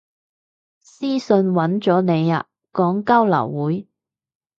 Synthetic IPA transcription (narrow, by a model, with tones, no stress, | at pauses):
siː˥sɵ˧nwɐ˨˥nt͡sɔː˨˥ne˨˧ja̰˧ | kɔː˨˥ŋkɐ˥wlɐ̰˨˩wːuː˨˥j